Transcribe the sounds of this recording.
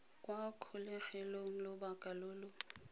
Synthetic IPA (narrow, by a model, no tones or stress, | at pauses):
kʼwakʰʊlɛχɛlɔŋ̩lɔbakʼalʊːlɔ